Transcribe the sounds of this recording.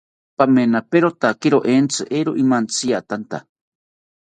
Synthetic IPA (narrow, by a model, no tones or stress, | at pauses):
pamenapeɾot̪akiɾoʔent͡sʰɨʔeɾoʔimant͡sʰiat̪ant̪a